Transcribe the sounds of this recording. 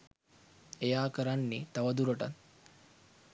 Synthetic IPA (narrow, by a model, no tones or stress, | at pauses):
ejaːkəɾanːit̪aʋɐd̪uɾoʈa̰t̪